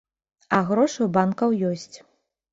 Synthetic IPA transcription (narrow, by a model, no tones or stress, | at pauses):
ɐɣɾɔʂɨwbankɐwjɔsʲt͡sʲ